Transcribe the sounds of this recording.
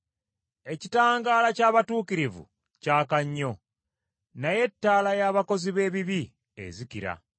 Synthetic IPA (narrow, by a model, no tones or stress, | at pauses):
e̞citaːŋɡaːlacaːβatuːkiɾivṵ | caːkaɲːo̞ | naje̞tːaːlajaːβako̞ziβe̞ːβiβi | ḛzikiɾa̰